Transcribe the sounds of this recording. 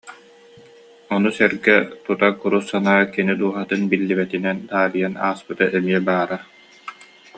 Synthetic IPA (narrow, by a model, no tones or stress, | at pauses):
ɔnusɛɾɡɛt̪ut̪akuɾusːanaːkinid̪uɔɦat̪ɯnbilːibɛt̪inɛnd̪aːɾijana̰ːspɯt̪aʔɛmiɛbaːɾa